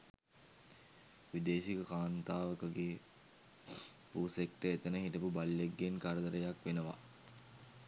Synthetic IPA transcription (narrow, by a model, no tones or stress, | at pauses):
ʋid̪eːʃikəkaːnt̪aːʋəkəɡeː | puːsekʈəet̪ənəɦit̪əpubalːeɡːenkaɾəd̪əɾəjakʋenəʋa̰